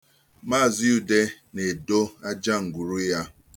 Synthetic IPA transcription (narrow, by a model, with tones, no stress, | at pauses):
maː˦˨zi˦u˨de˦ne˨do˦a˦d͡ʒa˦ŋ̩˨ɡʷu˨ɾu˦ja˦